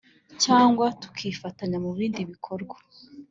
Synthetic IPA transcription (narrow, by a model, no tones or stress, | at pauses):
caːŋɡwatu̥kʰifataɲamuβiːndiβikʰoɾɡwḁ